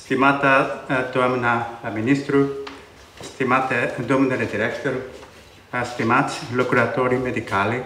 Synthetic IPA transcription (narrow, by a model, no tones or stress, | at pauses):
st̪imat̪at̪amnaaminist̪ɾu | st̪imat̪ɛd̪uməndədɛd̪iɾɛkt̪ɔɾ | ast̪imatslokuɾat̪oːɾimed̪ikaːli